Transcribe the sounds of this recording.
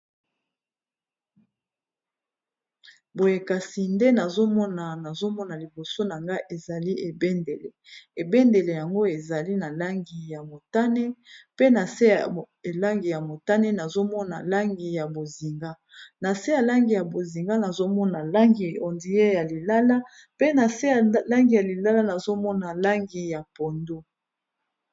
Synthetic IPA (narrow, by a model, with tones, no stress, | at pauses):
bo˨je˨ka˨si˨nde˦na˨zo˦mɔ˦na˨na˨zo˦mɔ˦na˨li˨bo˨so˦na˨ŋɡa˦ʔe˨za˨li˦ʔe˨be˦nde˨le˨e˨be˦nde˨le˨ja˨ŋɡo˦e˨za˨li˦na˨la˦ŋɡi˨ja˨mo˨ta˦ne˦pe˦na˨se˦˨ | e˨la˦ŋɡi˨ja˨mo˨ta˦ne˦na˨zo˦mɔ˦na̰˨la˦ŋɡi˨ja˨bo˨zi˨ŋɡa˦ | na˨se˦ja˨la˦ŋɡi˨ja˨bo˨zi˨ŋɡa˦na˨zo˦mɔ˦na˨la˦ŋɡi˨ɔ˨ndi˨je˦ja˨li˨la˦la˦ | pe˦na˨se˦˨la˦ŋɡi˨ja˨li˨la˦la˦na˨zo˦mɔ˦na˨la˦ŋɡi˨ja˨po˨ndo˦